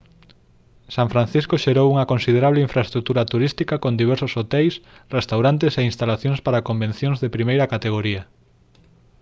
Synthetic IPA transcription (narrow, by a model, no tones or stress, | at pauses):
sãɱfɾan̟θiskoʃeɾowuŋɐkõnsið̞eɾaβ̞leiɱfɾaest̪ɾuk̚t̪uɾɐt̪uɾist̪ikakond̪iβ̞ɛɾsosot̪ɛjsrest̪awɾant̪eseinst̪alaθjõŋspaɾakombẽn̟θjõŋzðepɾimejɾɐkat̪eɣ̞oɾiɐ